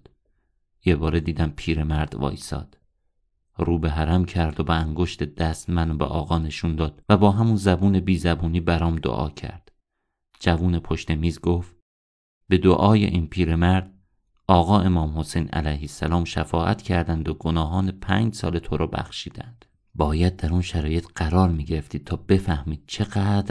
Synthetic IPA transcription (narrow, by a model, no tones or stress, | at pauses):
jebɒːɾe̞d̪iːd̪æmpʰiːɾe̞mæɾd̪̥vɒ̰ːjsɒ̰ːd̪̥ | ruːbeɦæɾæmcʰæɾd̪obeæŋɡo̞ʃt̪e̞d̪æst̪mænobḛʔɒːɣɒːne̞ʃund̪ɒːd̪̥væbɒːɦæmunzæbuːne̞biːzæbuːniːbæɾɒːmd̪o̰ʔɒ̰ːcʰæ̰ɾd̪̥ | d͡ʒævuːnepʰoʃt̪e̞miːzɡoft̪ | be̞d̪oʔɒːjḛʔiːnpʰiːɾe̞mæɾd̪̥ | ɒːɣɒːʔe̞mɒːmho̞sejnʔæ̰læjhesːælɒːmʃæfɒːʔæ̰t̪cʰæɾd̪ænd̪oɡonɒːɦɒːnepʰæːɲd͡ʒsɒ̰ːle̞t̪ʰoɾɒːbæ̰xʃiːd̪̥æ̰nd̪̥ | bɒːjæd̪̚ːæɾunʃæɾɒːje̞t̪ʰɢ̥æɾɒːɾmiːɟe̞ɾe̞ft̪iːd̪̚t̪ʰɒːbe̞fæhmiːd̪̥̚t͡ʃʰeɣæːd̪ɾ